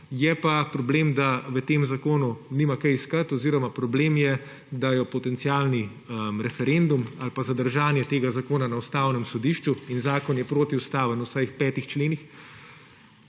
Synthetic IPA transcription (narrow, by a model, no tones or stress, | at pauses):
jɛpapɾɔbleːmd̪aʋət̪eːmzakoːnunimakɛjiskat̪ɔziːɾɔmapɾɔbleːmjɛ | d̪ajɔpɔt̪ɛnt̪siaːlni | mɾɛfɛɾeːnd̪umalpazad̪əɾʒaːnjɛt̪eːɡazakoːnanaust̪aːwnɛmsɔd̪iʃt͡ʃuinzaːkɔnjɛpɾoːt̪iust̪aːʋənusajxpɛːt̪ixt͡ʃleːnix